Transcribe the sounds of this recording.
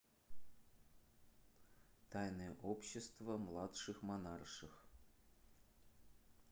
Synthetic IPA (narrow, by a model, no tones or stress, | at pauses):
t̪ɑjnoʔopɕːɪst̪vəmlˠɑt̪ʂɨxmɑnɑrʂɨx